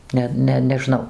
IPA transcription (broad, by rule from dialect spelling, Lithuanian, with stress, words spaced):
ˈnʲɛ ˈnʲɛ nʲɛˈʒnɐʊ